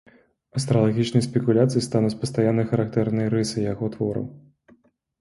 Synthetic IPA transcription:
ɐst̪ɾɐlˠɐɣʲit͡ʃnɨjspʲɛkulʲat̪sɨjist̪anut͡sʲpɐst̪ɐjanːɐjxɐɾak̚t̪ɛrnɐjɾɨsɨjjɐɣɔt̪ʋɔɾɐ̰m

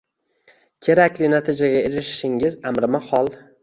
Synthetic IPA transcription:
kʲʰe̞ɾakʲlɪnat̪ʰɪd͡ʒaɡʲaeɾɪʃʃɪŋɪzamɾɪmahɒlˠ

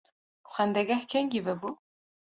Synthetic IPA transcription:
uxɛnd̪ɛɡahkʰɛŋɡivɛbu

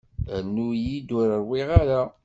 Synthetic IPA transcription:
nːujid̪ʊɾəɾwiʁaɾa

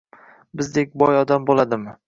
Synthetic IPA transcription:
bɪzd̪ek̚ʲbɒjɒd̪ambolˠad̪ɪmɪ

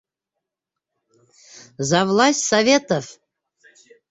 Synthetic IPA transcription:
zɑvlˠɑsʲtʲsavʲet̪of

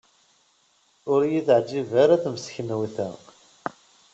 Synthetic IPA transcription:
ʊɾjiðʕd͡ʒːivæɾæθmsçənwiθæ̰

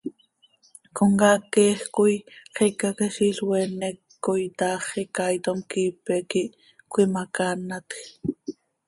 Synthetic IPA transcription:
koŋɡaːkeːxkujqʰikakeʃiɬwenɛkːojt̪ɑːχikajt̪omkiːpekiʔ | kʷimakanat̪x

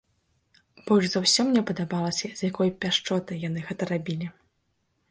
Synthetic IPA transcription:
b̥ɔlʲʐzawsʲɔmnʲɛpɐd̪abalˠɐsʲɐz̥ʲjakɔjpʲaʂt͡ʂɔt̪ɨjan̪ɨɣɛt̪ɐɾabʲilʲi

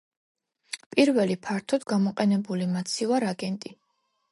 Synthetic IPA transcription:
pʼiɾvɛlipʰaɾt̪ʰɔd̪ɡamɔqʼɛnɛbulimat̪sʰivaɾaɡɛnt̪ʼi

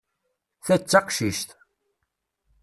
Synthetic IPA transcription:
θæt͡sːɑqʃiʃt̪

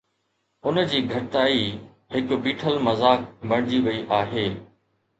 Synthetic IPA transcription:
ʊnd͡ʑiːɡʱɐɾɪt̪aːi | hɪkbiːʈʰəlmɐzaːk̚bɐɽ̃d͡ʑiʋɐiʔaːɦeː

